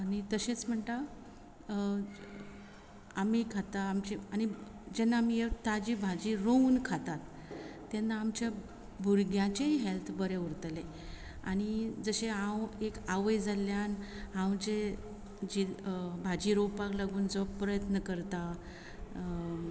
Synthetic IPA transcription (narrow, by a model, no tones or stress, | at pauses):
anit̪əɕẽt͡sm̤əɳʈ̪a | amikʰat̪aːmt͡ɕeañi | d͡ʑenːaːmijet̪ad͡ʑibʱad͡ʑiɾounkʰat̪at̪ː | enːaːmt͡ɕa | bʱuɾɡjãt͡ɕeɦelt̪ʰbəɾeuɾt̪le | a̰ɽ̃id͡zəɕeɦãwekaʋəjd͡zaljanɦãwd͡ʑe | d͡ʑibʱad͡ʑiːɾowpaklaɡuːnd͡zəʋpɾəjət̪nəkəɾt̪a